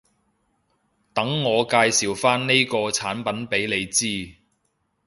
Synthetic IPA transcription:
t̪ɐ˨˥ŋːɔː˨˧kaː˧jsiː˨˩wfaː˥nne˥jkɔː˧t͡sʰaː˨˥npɐ˨˥npe˨˥jle˨˧jt͡siː˥

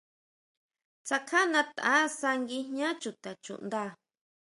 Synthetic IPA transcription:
t͡sa˧kʰa˦nã˧t̪a̰˦sa˧ŋɡi˧ɦɲã˦t͡ʃu˨t̪a˨t͡ʃṵ˨nd̪a˦

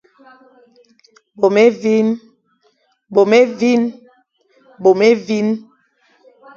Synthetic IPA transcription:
bo˨me˦vi˦n | ɓo˨me˦vi˦n | ɓo˨me˦vi˦n

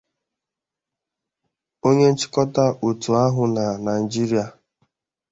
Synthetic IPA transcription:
o˦ɲe˦n̩˦t͡ʃɪ̥˦kɔ˦ta˦u˨tu˨a˦ɦʊ˨na˨na˨i˨d͡ʒi˦ɾi˦a˨

